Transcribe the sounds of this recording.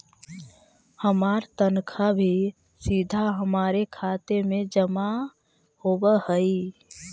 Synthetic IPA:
həmaːɾt̪ənkʰabʱi | sid̪ʱaɦəmaːɾekʰaːt̪emẽd͡ʒəma | hoːbəhəi

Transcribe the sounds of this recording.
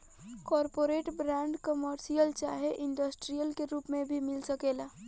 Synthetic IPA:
kɔːɾpoːɾeːʈbɾɛ̃ːɳɖkəməɾsijəlt͡ʃaːɦeʔɪ̃ɳɖəsʈɾijəlkeɾuːpmẽbʱimɪlsəkeːlaː

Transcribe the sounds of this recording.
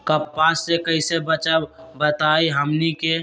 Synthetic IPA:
kəpːãsːekəisebət͡ʃabət̪aːiɦəmnike

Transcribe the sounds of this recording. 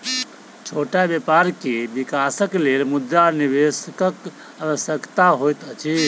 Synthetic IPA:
t͡ʃʰoʈabjepaɾkebikasəklelmud̪ɾaniʋeskək | aʋəsjəkt̪aɦojt̪ət͡ʃʰi

